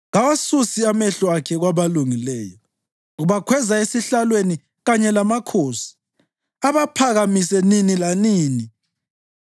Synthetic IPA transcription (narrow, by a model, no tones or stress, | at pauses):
ɣawasusiamɛɬɔakʰɛɣwaβaluŋilɛːjɔ | ɣuβakʰwɛzaesiɬalweni | ɣaɲɛlamakʰoːsi̥ | aβapʰaɣamisɛninilaniːni